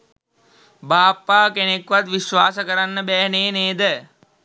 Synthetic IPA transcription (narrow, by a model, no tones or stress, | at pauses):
baːpːaːkenekːʋat̪ʋiʃʋaːsəkəɾanːəbɛːneːneːd̪ə